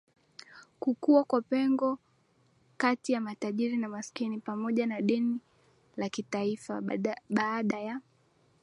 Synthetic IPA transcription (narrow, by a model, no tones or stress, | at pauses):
kukuakwapɛŋɡɔ | katijamataʄiɾinamaskinipamɔʄanaɗɛni | lakitaifaɓaːɗaja